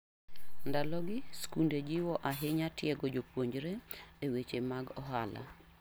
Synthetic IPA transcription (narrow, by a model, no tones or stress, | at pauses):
ndalɔɡɪskunded͡ʒiwɔʔaɦɪɲatjɛɡɔd͡ʒopwoɲd͡ʒɾeewet͡ʃemaɡɔɦa̰la̰